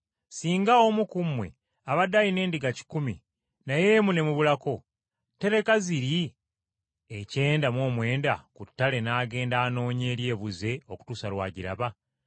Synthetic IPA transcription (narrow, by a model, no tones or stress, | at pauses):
siːŋɡaomukumwe̞̰ | aβadajine̞ːndiɡaci̥kumi | najemune̞muβulako̞ | te̞ɾe̞kaziɾi | ece̞ːndamwo̞ːmwe̞ːndakutːale̞naːɡe̞ːndaːno̞ːɲe̞ːɾje̞ːβuze̞o̞ku̥tusalwa̰ːɟiɾa̰βa